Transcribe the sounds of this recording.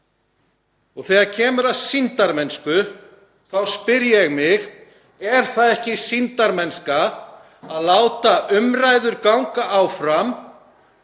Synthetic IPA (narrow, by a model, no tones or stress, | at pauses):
ɔɣθɛːɣaɾcʰɛːmʏɾaðsint̪aɾmɛnskʏ | θawspɪɾjɛɣmɪɣ | ɛɾ̥θaðɛhcɪsint̪aɾmɛnska | aðlaːwt̪aʔʏmrajðʏɾkawŋkaʔawfɾam